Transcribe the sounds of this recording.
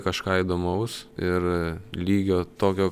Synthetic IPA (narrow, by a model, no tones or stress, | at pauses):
kɐʃkɑːid̪oːmɐʊsɪrlʲiːɡʲoːt̪oːkʲoː